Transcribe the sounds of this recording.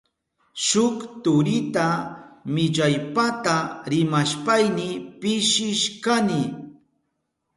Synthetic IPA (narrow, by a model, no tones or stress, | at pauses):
ʃʊkt̪ʊɾɪt̪amɪʎajpat̪aɾɪmaʃpajnɪpɪʃɪʃkanɪ